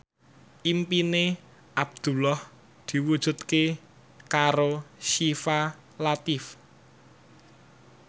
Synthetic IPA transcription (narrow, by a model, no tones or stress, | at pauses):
ʔimpine | ʔab̚d̪̥ṳlɔh | d̪̥i̤wud̥ʒ̥ṳt̪ke | kaɾoʃifa | lat̪ɪf